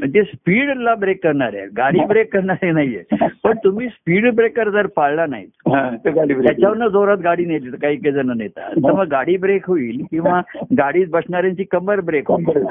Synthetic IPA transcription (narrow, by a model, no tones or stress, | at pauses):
məɳd͡ʑ̪espiːɽlabɾekːəɾɳaɾjḛɡaɽiːbɾekkːəɾɳaɾenaɦiːepəɳt̪um̤iːspiːɽbɾekəɾd͡z̪əɾpaɭlanaɦḭt̪ɦãt̪ɡiɾjat͡ɕaʋəɾnəd͡zoɾat̪ɡaɽiːnjet̪et̪kaɦiːked͡zənənet̪a̰t̪əʋəɡɡaɽiːbɾekʰoiːlkĩw̃ʋaɡaɽiːt̪̚bəsɳaɾjãɲt͡ɕiːkəməɾbɾekʰɦoi